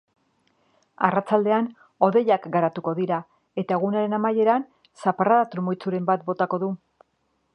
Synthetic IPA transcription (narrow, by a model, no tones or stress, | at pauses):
a̰rat͡ʃald̪e̞an | o̞ðe̞jakɡaɾat̪uko̞ðiɾa | e̞t̪ae̞ɣunaɾe̞namaje̞ɾan | saparaðat̪ɾumojt͡suɾe̞mbat̪̚bo̞t̪ako̞ðu